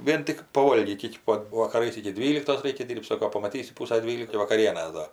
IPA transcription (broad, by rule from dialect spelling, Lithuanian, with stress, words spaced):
ˈʋʲiɛn tʲɪk pɐˈʋoːlʲɡʲiːtʲ ˈɪkʲɪ pɐt ʋɐkɐˈrɐɪs ɪkʲɪ ˈdʲʋʲiːlʲɪktoːs ˈrʲɛɪkʲɛ ˈsoːkoː ˈdʲiːrpt ˈsoːkoː pɐmɐˈtʲiːsʲɪ ˈpuːsɐ ˈdʲʋʲiːlʲɪkɐɪ ʋɐkɐˈrʲiɛnʲeːs ˈdɐr